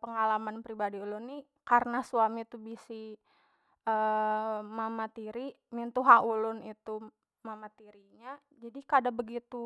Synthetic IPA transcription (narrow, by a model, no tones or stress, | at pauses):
pəŋalamanpɾibadiulʊnːi | kaɾənasuamit̪ubisi | ə | mamat̪iɾi | mint̪uɦaʔulʊnit̪u | mamat̪iɾiɲa | d͡ʒadikadabəɡit̪u